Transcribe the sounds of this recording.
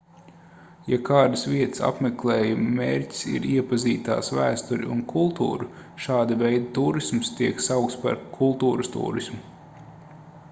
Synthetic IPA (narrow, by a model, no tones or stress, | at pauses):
jakʰaːd̪ɨsʋiɛt̪ə̥sa̰pmɛklˠɛːjummḛːɾʲcʲi̥sḭɾiɛpaziːt̪a̰ːsvæ̰ːst̪uɾʲḭṵnkʰulˠt̪ṵːɾu | ʃaːd̪ɐvɛjd̪at̪uːɾismst̪iɛksawk̚t̪spa̰ɾkʰulˠt̪uːɾɨst̪ṵːɾismu